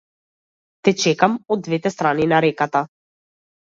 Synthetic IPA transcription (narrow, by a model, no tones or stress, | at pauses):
t̪ɛt͡ʃɛkamɔd̪ːvɛt̪ɛst̪ɾaninaɾɛkat̪a